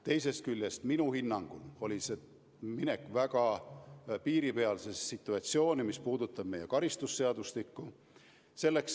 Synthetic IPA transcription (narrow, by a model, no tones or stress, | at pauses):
t̪e̞jse̞st̪̚kylʲjest̪minuhinːɑŋɡ̥ulo̞lʲise̞ | mine̞kːˑvæɡ̥ɑ | piːɾipe̞ɑlsesːit̪ːˑuɑt̪sio̞ːnʲimispuːd̪ut̪ːˑɑb̥̚me̞jekɑɾist̪usːe̞ɑd̪ust̪ikːu | se̞lːe̞ks